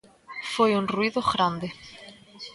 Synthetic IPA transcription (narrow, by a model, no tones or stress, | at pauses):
fojunrwiðoɣɾand̪e